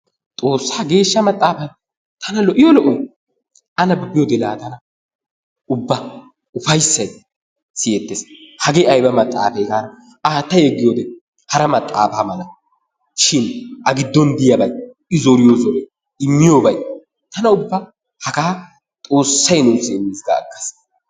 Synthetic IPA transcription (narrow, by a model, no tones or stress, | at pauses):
t̪ʼo̞ːsːaːɡe̞ːʃːɐmɐt̪ʼːaːfɐn | t̪ɐnɐlɔʔɪjolɔʔɔj | ʔɐnɐbbɪjod̪ɪla̰ːt̪ɐnɐ | ʊbːɐ | ʊfɐjsːɐj | sɪjɛt̪ːeːshɐɡeɐjbɐmɐt̪ʼːa̰ːfɛjɡaːɾɐ | aːt̪ːɐjɛɡːɪjoːd̪ɛ | hɐɾɐmɐt̪ʼːa̰ːfaːmɐlɐ | ʃɪnʔɐɡɪd̪ːɔnd̪ɪjɐbɐj | ɪzɔɾɪjozɔɾɛj | ɪmːɪjoːbɐj | t̪ɐnɐʊbːɐ | hɐkaː | t̪ʼo̞ːsːɐjnuːsɪmːɪzɡɐ̰ːkːɐ̥s